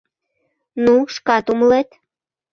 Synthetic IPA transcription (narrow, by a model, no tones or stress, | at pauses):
nuʃkɑt̪umlet̪